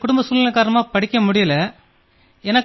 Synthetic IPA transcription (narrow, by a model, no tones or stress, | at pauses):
kʊɽʊmbɐsuːlɪnɐkːaːɾɐnɐmaːpɐɽɪkʲːɐmʊɽɪjɐlɐ | ɛnɐk